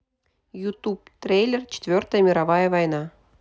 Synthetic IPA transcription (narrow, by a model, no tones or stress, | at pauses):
jut̪up̚t̪rʲejlʲert͡ɕɪ̥t̪ʲvʲørt̪əjəmʲiɾɑvɑjəvɑjnɑ